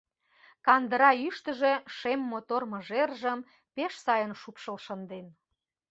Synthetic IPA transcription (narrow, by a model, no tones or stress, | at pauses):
kɑnd̪əɾɑyʃt̪ə̆ʒeʃemːot̪ormə̆ʒerʒəm | peʃsɑjənʃupʃəlʃənd̪en